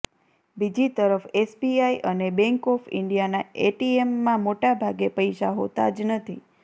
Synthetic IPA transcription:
bid͡ʒit̪əɾəfesbiaiʔənebɛŋkɔfɪ̰ɳɖijanaeʈiemːãmoʈabʱaɡepəjʃaɦot̪a̰d͡ʒnət̪ʰi

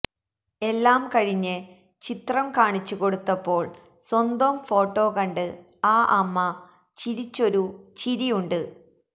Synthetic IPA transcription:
e̞lːaːmkɐɻiɲːɨ | t͡ɕit̪rɐmkaːɳit͡ɕːuko̞ɽut̪ːɐpːo̞ːɭ | swɐnd̪ɐmfo̞ːʈːo̞ːkɐɳɖɨ | aːʔɐmːɐ | t͡ɕiɾit͡ɕːo̞ɾut͡ɕiɾijuɳɖɨ

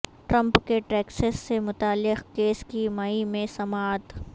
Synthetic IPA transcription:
ʈɾɐ̃mpkeʈeːksəsːemʊt̪aːlːɪqkeːskimaimẽsɐmaːt̪

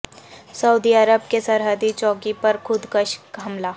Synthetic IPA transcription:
sɐud̪iəɾəbkesɐɾɦəd̪it͡ʃɔːkipɐɾkʰʊd̪kəʃkɦɐmlaː

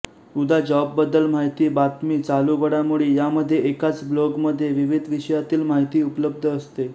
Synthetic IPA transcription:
ud̪ʱad͡ʑɔbːəd̪ːəlmaɦit̪iːbat̪miːt͡saluɡəɽamuɭiːjaməd̪ʱːjeʔekat͡sbloɡməd̪ʱːjeʋiʋid̪ʱʋiɕəjat̪iːlmaɦit̪iːupələb̚d̪ʱəːst̪e

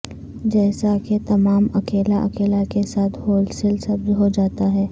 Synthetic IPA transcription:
d͡ʒɛːsaket̪ɐmaːmɐkeːlaʔɐ̰keːlakesaːt̪ʰɦoːlsɪlsɐbd͡ʒɦod͡ʒaːt̪aɦɛː

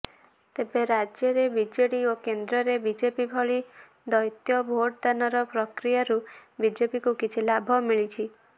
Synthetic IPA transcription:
t̪ebeɾad͡ʒjɔɾebid͡ʒeɽiokend̪ɾɔɾebid͡ʒepibʱɔɭi | d̪ɔjt̪jɔbʱoɽd̪anɔɾɔpɾɔkɾijaɾubid͡ʒepikukit͡ʃʰilabʱɔmiɭit͡ʃʰi

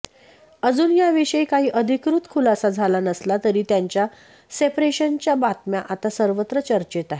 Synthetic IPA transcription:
əd͡zuːnjaʋiɕəikaɦiːʔəd̪ʱikɾut̪kʰulasad͡zʱalanəslat̪əɾiːt̪jaɲt͡ɕja | sepɾeɕənt͡ɕjabat̪mjaʔat̪asəɾʋət̪ɾət͡ɕəɾt͡ɕet̪aɦe

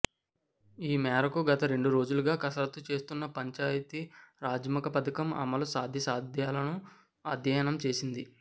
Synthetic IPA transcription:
iːmɛːɾɐkuɡɐt̪ɐɾe̞ɳɖuɾo̞ːd͡ʒuluɡaːkɐsɐɾɐt̪ːut͡ʃe̞ːst̪unːɐpɐɲt͡ʃaːjɐt̪iɾaːd͡ʒɐmɐkɐpɐt̪ɐkɐmɐ̰mɐlusaːd̪ʱjɐsaːd̪ʱjaːlɐnu | ɐd̪ʱjɐjɐnɐmt͡ʃe̞ːsind̪i

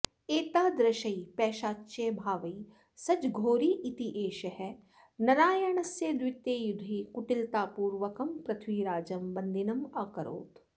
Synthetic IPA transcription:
eːt̪aːd̪ɾɐʃɐipɛːʃaːtːʃeːbʱaːʋɐi | sɐt͡ʃɡʱoːɾiːʔɪt̪iʔeːʃɐɦɛ | nɐɾaːjɐɳɐsjed̪wɪt̪eːjʊd̪ʱikʊʈɪlt̪aːpuːɾʋɐkɐmpɾɐt̪ʰʋiːɾaːd͡ʒɐmbɐnd̪ʱinɐmaːkɐɾo̰ːt̪

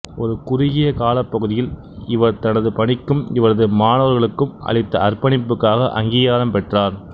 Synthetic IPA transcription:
ɔɾɯkʊɾɪɣɪjɐkaːlɐpːɐɣɯðɪjɪl | ɪʋɐɾt̪ɐnɐðɯpɐɳɪkːɯmɪʋɐɾɐðɯmaːnɐʋɐɾɣɐɭɯkːɯmɐ̰ɭɪt̪ːɐɐrpɐɳɪpːɯkːaːɣɐʔɐ̰ŋɡiːɣaːɾɐmpɛʈraːɾ

